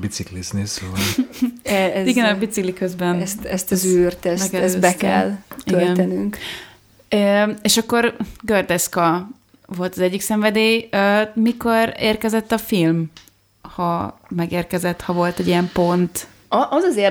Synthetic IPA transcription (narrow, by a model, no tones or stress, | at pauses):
bit̪siklisnisu | ɛiɡɛnɒbit̪siklikøzbɛnɛst̪ɛst̪ɔzyrt̪ɛsɛkɛbɛɛ̰liølɡɛnt̪ɛnyŋk | øeːʃɒkːo̞rɡørd̪ɛskɒ | vo̞lt̪ɒzɛɟːiksɛɱvɛd̪eːømiko̞rḛːrkɛzɛt̪ːɒfilm | hɒmɛɡeːrkɛzɛt̪hɒvo̞lt̪ɛɟijɛmpo̞nt̪ | ʔɒzɒze